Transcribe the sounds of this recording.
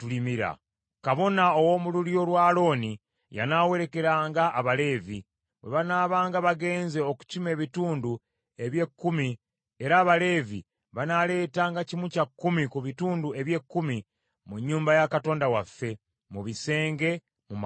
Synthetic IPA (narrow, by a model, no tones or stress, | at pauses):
tulimiɾa̰ | kaβo̞nao̞wo̞mululjo̞lwaːlo̞ːni | ja̰nawe̞ɾe̞ke̞ɾaːŋɡaʔːβale̞ːvi | we̞̰βanaːβaːŋɡaβaɡe̞ːnze̞oku̥cime̞ːβituːndu | e̞βje̞kːumi | e̞ɾaːβale̞ːvḭ | βanale̞ːtaːŋɡacimucakːumikuβituːndue̞βje̞kːumi | muɲːuːmbajakato̞ːndawafːe̞ | muβise̞ːŋɡe̞ | mum